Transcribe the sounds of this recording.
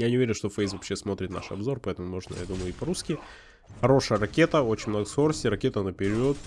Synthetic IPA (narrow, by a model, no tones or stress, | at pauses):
janʲɪʊveɾʲɪnʂt̪o̞fejsvvɐpɕːesmo̞t̪ɾʲɪt̪na̰ʂɐ̰bzo̞rpɐɛt̪əmʊmo̞ʐnə̰ja̰d̪uməjʊɪpɐɾuskʲɪ | xɐɾo̞ʂəjəɾɐkʲet̪əo̞t͡ɕɪ̥nʲmno̞ɡəskoɾəsʲtʲɪɾɐkʲe̞t̪ənəpʲɪɾʲit̪